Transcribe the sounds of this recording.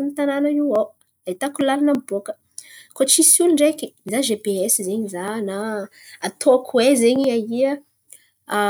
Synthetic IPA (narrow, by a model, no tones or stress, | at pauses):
imit̪ananəiwa | eit̪akulalanamboəkə̥ | kot͡ʃisulɳɖ͡ʐekiizaʒebeɛsizeɲizana | at̪oakʰuwezeɲiaiə